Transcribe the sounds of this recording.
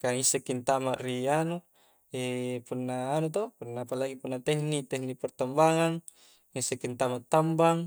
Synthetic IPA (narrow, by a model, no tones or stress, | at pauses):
kaŋisːekint̪amaʔrianu | epunːaːnut̪opunːaːpalaɡipunːat̪ɛhnit̪ɛhnipɛrt̪ambaŋaŋ | ŋisːekːint̪amaʔt̪ːambaŋ